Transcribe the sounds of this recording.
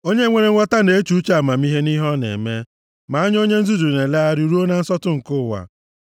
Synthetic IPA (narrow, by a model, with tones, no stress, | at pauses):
o˦ɲe˦ŋʷe˨ɾe˨˦ɔ˦ta˦ne˨e˦t͡ʃu˦t͡ʃa˨ma˨mi˦ɦe˦ni˦ɦɔ˦nḛ˨me˦ | ma˨a˦ɲ˦o˦ɲe˦n̩˦zu˦du˨ne˨le˦a˦ɾu˨ɾu˦o˦na˨n̩˦sɔ˦tʊ˦ŋ̩˨kʊ˦˨wa̰˨